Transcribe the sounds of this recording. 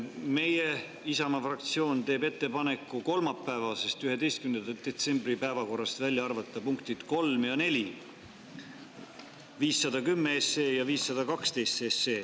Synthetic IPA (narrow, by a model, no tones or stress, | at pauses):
me̞je̞ | isɑmɑfrɑk̚t̪sio̞ːnt̪e̞ːbe̞t̪ːe̞pɑne̞kːˑuko̞lmɑpːˑæevɑse̞st̪yhe̞d̪e̞jst̪̚kymnenɑd̪̥e̞t̪se̞mbripæevɑko̞rːɑst̪vælʲjɑɑrvɑt̪ːˑɑpuŋkt̪id̪̥ko̞lmjɑne̞lʲi | viːsːɑd̪̥ɑkymːeese̞ːjɑviːsːɑd̪̥ɑkɑkst̪e̞jst̪eseː